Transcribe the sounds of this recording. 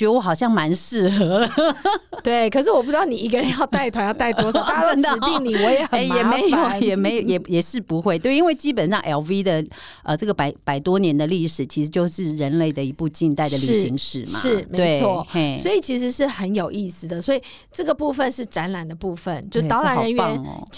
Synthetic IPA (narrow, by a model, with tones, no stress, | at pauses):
ə˧wɔ˧˦xɑ˨˩ʊɕ̬jɑ˥˩ŋma˧˦˥nʂɻ̩˥˩xɤ˧˥˦ | t̪we˥˩ɪkʰɤ˨˩ʂ̬ɻ̩˥˩wɔ˨˩pu˥ʈ͡ʂɻd̪ɑ˥˩˨ni˨˩i˧˥ɡə˧ɻə˧˦njɑ˥˧ʊt̪a˥˩ɪt̪ʰwa˧˥njɑ˥˧ʊt̪a˥˩ɪwɔ˥sʰa˥ə˧˥˧i˥˩ŋni˨˩wɔ˧˦jɛ˨˦ə˨˦˧jɛ˨˩me˧˦ɪjo˨˩jɛ˨˩me˧˥ɪjo˨˩jɛ˨˩jɛ˨˩ʂɻ̩˥˩pu˧˥xwe˥ɪt̪we˥˩ɪi˥nŋwe˥˩ɪt͡ɕi˥pə˨˩nʂɑ˥˩ŋʔɛ˧˥lvi˥d̪ə˨ | ə˧ʈ͡ʂɤ˥˩ɡə˩pa˨˩ɪpa˨˩ɪt̪wɔ˦njɛ˧˦nd̪ə˧li˥˩ʂɻ̩˨˩t͡ɕʰi˧˥ʂɻ̩˧˥t͡ɕjo˥˧ʊʂɻ̩˥˩ɻə˧˦nle˥˩ɪd̪ə˩i˧˥pu˥˧t͡ɕi˥˧nt̪a˥˩ɪd̪ə˨li˨˩˥ɕi˧˥ŋʂɻ̩˨˩ʂma̰˦ʂɻ̩˥˩tme˧˥wɪe˥˩ɪt͡sʰwɔ˥˩swɔ˧˥i˨˩t͡ɕʰi˧˥ʂ̬ɻ̩˧˥ʂɻ̩˥˩xə˧˦njo˨˩ʊʔi˥˩sɹ̩˨˩d̪ə˩swɔ˧˥i˨˩ | ʈ͡ʂɤ˥˩ɡə˩pu˥˧fə˧nʂɻ̩˥˩ʈ͡ʂa˧˥nla˨˩nd̪ə˩pu˥˧fə˨˩nt͡ɕtɑ˧˥ʊla˧˥nɻə˧˦nɥn̰˩